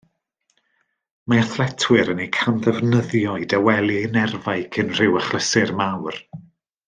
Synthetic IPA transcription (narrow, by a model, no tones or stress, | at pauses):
maaθlɛtʰwɪɾənejkʰanðɛvnəðjɔɨdawɛlˠiejnɛrvajkʰɨnr̥ɪwəχlˠəsɨrmawr